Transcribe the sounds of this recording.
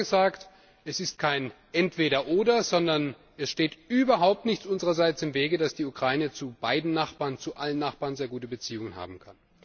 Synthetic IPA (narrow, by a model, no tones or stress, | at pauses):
əzaːkt | ɛsɪst̚kʰaɪn | ʔɛntv̥eːɾɐʔoːdɐzɔndɐn | ɛsʃteːtyːbɐɦaʊp̚tnɪçt͡sʔʊnzəʁɐzaɪt͡sɪmveːɡədasd̥iːukʁ̥aɪnət͡sub̥aɪdn̩naχb̥aːɐʁnt͡suʔalənːaχb̥aːʁnzeːɐɡuːtəbət͡siːʊŋənha̰ːbm̩kʰan